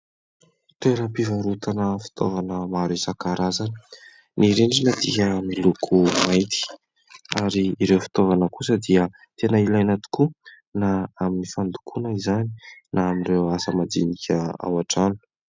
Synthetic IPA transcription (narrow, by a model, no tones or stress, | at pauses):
t̪eɾəpivaɾut̪anəfi̥t̪ʰo̰vanəmaɾesakaɾazanə̥ | niɾeɳɖ͡ʐinəd̪iɦənilukʰumajt̪i̥ | aɾiːɾewfi̥t̪ovanəkusəd̪iə | t̪enəilajanat̪i̥ku | naaminifand̪ukʰunəizani̥naːminrewasəmad̪inikʰʲəa̰waʈ͡ʂanu̥